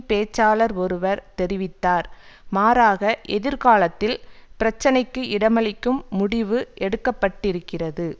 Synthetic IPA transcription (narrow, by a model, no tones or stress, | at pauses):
peːt͡ʃːaːlɐɾɔɾɯʋɐɾt̪ɛɾɪʋɪt̪ːaːɾmaːɾaːɣɐʔɛðɪɾkaːlɐt̪ːɪlpɪɾɐt͡ʃːɐnɐɪkːɯʔɪɽɐmɐɭɪkːɯmːʊɽɪʋɯʔɛɽɯkːɐpːɐʈːɪɾɯkːɪrɐðɯ